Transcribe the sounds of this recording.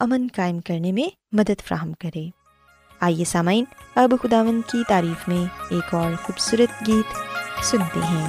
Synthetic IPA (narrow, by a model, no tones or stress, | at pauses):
ɐmənkaːɪmkɐɾnemẽ | mɐd̪əd̪fɾa̰ːɦəmkɐɾeː | aːjesaːmaːɪnɐbxʊd̪aːʋə̃nd̪kit̪aːɾiːxmẽeːkɔːɾxuːbsuːɾət̪ɡiːt̪sʊnt̪ḛɦɛ̃ː